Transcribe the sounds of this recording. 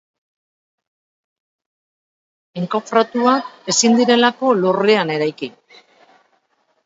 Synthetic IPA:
eŋkofɾat̪uae̞sind̪iɾe̞lako̞luriane̞ɾajki

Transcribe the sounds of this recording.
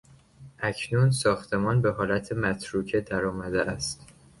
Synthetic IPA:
ʔæcʰnuːnsɒːxt̪ʰe̞mɒːnbe̞ɦɒːlæt̪ʰemæt̪ʰɾuːcʰed̪æɾɒːmæd̪eʔæst̪

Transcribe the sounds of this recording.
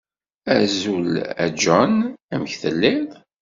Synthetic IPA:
æzulæ̰d͡ʒɔnæməçθəlːɪðˤ

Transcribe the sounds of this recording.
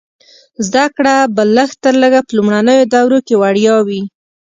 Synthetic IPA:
zd̪akɽabəlːəxt̪əɾləɡapəlumɽanəjod̪awɾokewaɽjɑwi

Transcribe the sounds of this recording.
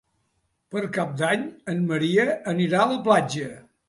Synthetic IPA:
pəɾkap̚d̪aɲənməɾiəəniɾaələplad͡ʒə

